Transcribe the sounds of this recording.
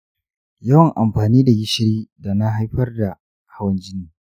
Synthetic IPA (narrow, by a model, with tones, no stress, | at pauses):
jɐ˦wɐ˨ŋʔa˨mɸaː˨niː˦da˨ɡɪ˦ʃɪ˦ɾiː˦da˨na˦ɦa˦jɸɐ˦rda˨ | ha˦wɐ˦nd͡ʒɪ˦niː˨